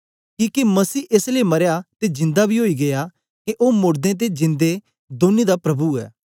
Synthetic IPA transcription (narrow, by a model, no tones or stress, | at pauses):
kiːkimɐsiːʔeːslemɐɾjat̪ed͡ʒɪ̃nd̪abʱiɦoːiɡeja | keʔoːmʊɽd̪ẽt̪̬ed͡ʒɪ̃nd̪e | d̪oːnid̪apɾɐbuɛ̰ː